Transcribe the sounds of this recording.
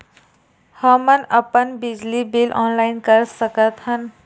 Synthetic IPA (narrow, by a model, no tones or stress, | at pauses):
həmənəpənbɪd͡ʒlibilʔɔ̰ːnlaɪnkəɾsəkət̪hən